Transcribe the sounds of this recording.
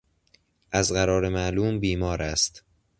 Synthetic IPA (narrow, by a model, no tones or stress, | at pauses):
ʔæzɢæɾɒːɾe̞mæʔluːmbiːmɒːɾæst̪